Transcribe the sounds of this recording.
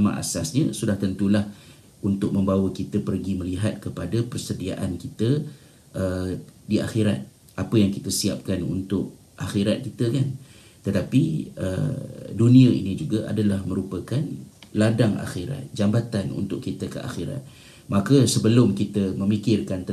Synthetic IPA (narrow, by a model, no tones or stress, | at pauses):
mã̰ʔa̰sasɲəsudaht̪ənt̪ulah | unt̪ʊk̚mə̃mbawəkit̪əpərɡimə̃liɦat̪̚kəpadapərsədia̰ʔankit̪ə | ʔədia̰xiɾa̰t̪̚ | apəjaŋkit̪əsiap̚kanṵnt̪ʊk̚ | ʔaxiɾat̪̚kit̪əkan | t̪ət̪apiə̰dunĩəḭnĩd͡ʒuɡaʔa̰dalahmə̃ɾupəkanladaŋa̰xiɾa̰t̪̚d͡ʒambat̪anṵnt̪ʊʔkːit̪əkə̰ʔa̰xiɾa̰t̪̚ | makəsəbəlʊmkit̪əmə̃mikɪrkant̪